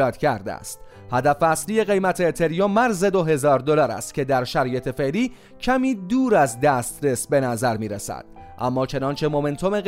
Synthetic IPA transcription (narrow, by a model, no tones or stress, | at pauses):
ɒːd̪cʰæɾd̪ḛæ̰st̪ | hæd̪æfæslije̞ɣe̞jmæt̪ʰe̞ːt̪ʰe̞ɾijɒːmæɾze̞d̪o̞ɦe̞zɒːɾd̪olɒːɾæ̰st̪cʰe̞d̪æɾʃæɾɒːje̞t̪ʰe̞fe̞ʔliː | cʰæmiːd̪uːɾæzd̪æst̪ɾesbe̞næzæɾmiːɾesæ̰d̪̥̚ʔæ̰mːɒːt͡ʃʰe̞nɒːnt͡ʃʰe̞mo̞me̞nt̪ʰo̞me̞ɣ